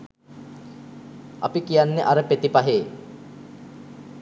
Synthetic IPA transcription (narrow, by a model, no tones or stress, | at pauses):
apikijanːeʔaɾəpet̪ipaɦeː